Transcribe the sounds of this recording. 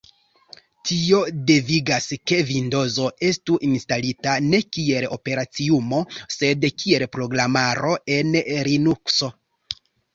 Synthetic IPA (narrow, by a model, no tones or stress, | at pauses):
tio̞de̞viɡaske̞vindo̞zo̞e̞stuʔinstalitane̞kie̞lo̞̰pe̞ɾat͡siumo̞se̞dkʰie̞lpɾo̞ɡɾamaɾo̞e̞nɾinukso̞